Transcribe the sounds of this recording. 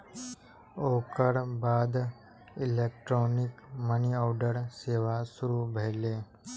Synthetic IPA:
oːkəɽbaːd̪ | ileːkʈɾoːnɪkməniawɖəɾseːʋasʊɾubʱeɦleː

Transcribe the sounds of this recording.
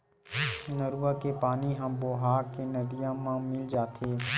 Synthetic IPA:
nəɾuwakepaːniɦə̃mboːɦaːɾkenɐd̪ijãmãmɪld͡ʒaːt̪ʰeː

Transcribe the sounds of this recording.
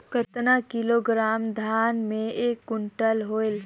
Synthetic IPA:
kət̪nakiloɡɾaːmd̪ʱaːnmẽeːkːʊɳʈəlɦoel

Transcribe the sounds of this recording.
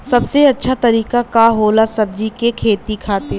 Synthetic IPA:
sɐbseɐtːʃʰat̪ɐɾiːkakaɦoːlasɐb̚d͡ʒikekʰeːt̪ikʰaːt̪e

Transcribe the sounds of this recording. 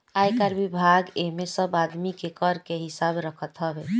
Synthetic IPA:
ajkaɾbibʱaɡemesəbad̪mikekəɾkeɦisabɾəkʰət̪ɦəbe

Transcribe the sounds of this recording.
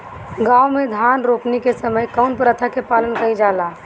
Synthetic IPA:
ɡawmed̪ʱanɾopnikesəməjkəʊnpəɾət̪ʰakepalənkəjd͡ʒala

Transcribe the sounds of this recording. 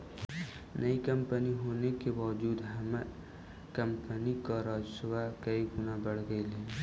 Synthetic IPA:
nʔəikəmpəniɦonekebɔd͡ʒuːd̪ɦəma | kəmpənikaɾad͡ʒsewakəiɡunabəɽ̤ɡəle

